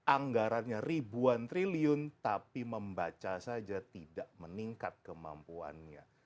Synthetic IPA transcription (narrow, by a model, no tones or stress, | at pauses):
ʔaŋɡaɾanɲaribuant̪ɾiliʊnt̪apiməmbat͡ʃasad͡ʒat̪idaʔməniŋkat̪̚kəma̰mpua̰nɲa̰